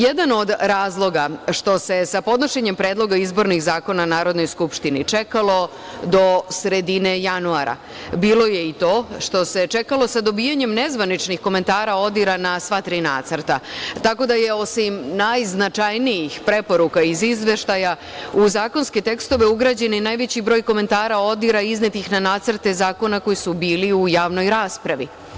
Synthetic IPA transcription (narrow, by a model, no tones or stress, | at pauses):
jed̪ano̞d̪ɾaːzlˠo̞ɡaʃt̪o̞se̞sapo̞d̪no̞ʃe̞ɲe̞mpɾeːd̪lˠo̞ɡaizbo̞ɾnixzaːko̞nanaːɾo̞d̪no̞jskupʃt̪init͡ʂe̞kalˠo̞ | d̪o̞sɾe̞d̪ine̞januaɾa̰ | biːlo̞je̞it̪o̞ːʃt̪o̞se̞t͡ʂe̞kalo̞sad̪o̞biːjaɲe̞mne̞zʋanit͡ʃnixko̞me̞nt̪aːɾao̞d̪iɾanasʋat̪ɾiːna̰ːt̪səɾ̩t̪at̪ako̞d̪ajeo̞simnajznat͡ʃajnijixpɾe̞po̞ɾukaizizʋe̞ʃt̪aja | uzaːko̞nske̞t̪e̞kst̪o̞ʋe̞uɡɾaːd͡ʑe̞ninaːjʋe̞t͡ɕibɾo̞ːjko̞me̞nt̪aːɾao̞d̪iɾaiznet̪ixnanaːt̪sɾt̪e̞zaːko̞nako̞jisubiːliujaːʋno̞jɾaːspɾaʋi